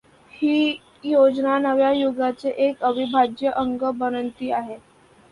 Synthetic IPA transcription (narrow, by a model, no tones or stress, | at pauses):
hiː | jod͡znanəʋjajuɡat͡seʔekəbʱibʱad͡ʑjəʔəŋɡəbəɾənt̪iːaɦe